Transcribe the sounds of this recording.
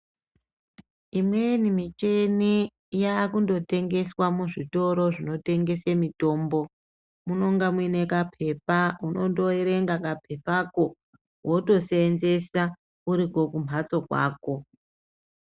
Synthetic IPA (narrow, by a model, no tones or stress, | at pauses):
imwe̞nimit͡ʃeni | jaːkundo̞te̞ŋɡe̞swamuʐito̞ɾo̞ʐino̞te̞ŋɡe̞semito̞ːmbo̞ | muno̞ŋɡamwinekapʰe̞pauno̞ndo̞iɾe̞ŋɡakap̚ʰe̞pako | woto̞seːnze̞sa | uɾiko̞kum̤ʱat͡so̞kwa̰ːko̞